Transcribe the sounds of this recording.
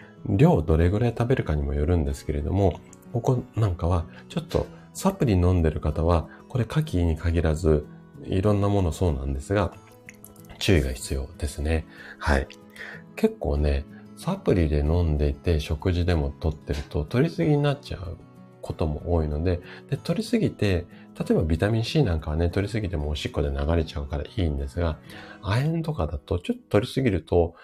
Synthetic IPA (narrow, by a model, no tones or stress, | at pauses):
ɾʲo̞ːd̪o̞ɾe̞ɡɯ̟ɾait̪abe̞ɾɯ̟kaɲ̟imo̞joɾɯ̟̃nd̪e̞sɨ̥ke̞ɾe̞d̪o̞̰mo̞ | ko̞konãŋkaβat͡ɕo̞t̪ːo̞̰ | sapɯ̟ɾʲinõ̞nd̪e̞ɾɯ̟kat̪aβako̞ɾe̞kakʲiɲ̟ikʰaɡʲiɾazɨ | ḭɾõ̞nːamo̞no̞so̞ːnã̰nd̪e̞sɨɡa | t͡ɕɨːiɡa̰çi̥t͡sɨjo̞̰ːd̪̥e̞sɨne̞hai | ke̞kːo̞̰ːne̞sapɯ̟ɾʲid̪e̞nõ̞nd̪e̞it̪e̞ɕo̞kɯ̟ʑid̪e̞mo̞t̪o̞t̪ːe̞ɾɯ̟t̪o̞t̪o̞ɾʲisɨɡʲiɲ̟inatt͡ɕa̰ɯ | kʰo̞t̪o̞mo̞̰ʔoːino̞d̪e̞d̪̥e̞t̪o̞ɾʲisɨɡʲit̪e̞ | t̪at̪o̞e̞babʲit̪amʲĩɰ̃ɕiːnãŋkaβane̞t̪o̞ɾʲisɨɡʲit̪e̞mo̞ːɕikːo̞d̪e̞naɡaɾe̞t͡ɕaɯ̟kaɾa̰ʔĩːnd̪e̞sɨɡaaẽnt̪o̞kad̪at̪o̞t͡ɕo̞t̪ːo̥t̪o̞ɾʲisɨɡʲiɾɯ̟t̪o̞